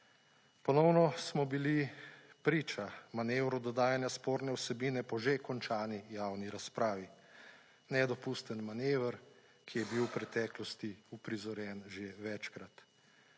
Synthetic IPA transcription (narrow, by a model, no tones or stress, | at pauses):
pɔnɔwnɔsmɔbilipɾiːt͡ʃamanewɾɔd̪ɔd̪aːjanjaspoːɾnɛwsɛbiːnɛpɔʒekɔnt͡ʃaːnijawniɾaspɾaːʋi | nɛd̪ɔpuːst̪ənmaneːʋəɾ | kijɛbiwpɾɛt̪ɛːklɔst̪iupɾizɔɾjɛnʒeʋɛt͡ʃkɾat̪